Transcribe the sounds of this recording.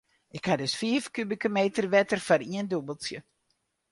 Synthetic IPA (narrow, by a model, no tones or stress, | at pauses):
ʔɪkhadøsfiəfkybikəmeːtərʋɛtərfaɾiəndubəlˠsjə